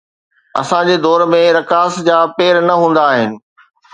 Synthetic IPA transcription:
ɐ̰sãd͡ʑeːd̪ɔːɾmẽɾɐkaːsd͡ʑaːpeːɾnɐɦũːn̆d̪aːɦɪnɪ̆

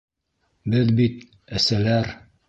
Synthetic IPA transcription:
bɘðbit̪̚ | ɘ̆sælæɾ

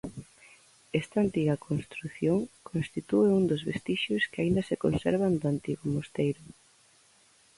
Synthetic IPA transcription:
ɛst̪aːnt̪iɣakʰonst̪ɾuθjoŋkʰõnst̪it̪ueund̪ozβest̪iʃʊskeaĩnd̪ɐsekonsɛ̰ɾβand̪oant̪iɣomost̪ejɾʊ

